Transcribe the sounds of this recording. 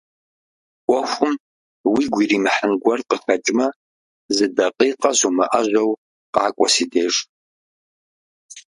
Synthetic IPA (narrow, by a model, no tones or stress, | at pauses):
ʔʷɔxʷʊm | wiɡʷiːriːmɨħənɡʷɐrqəxɐt͡ʃʼmɐ | zɨdɐqʼiːqʼɐzumɐʔɐʒʷɐw | qɑːkʷʼɔsiːdeːʐ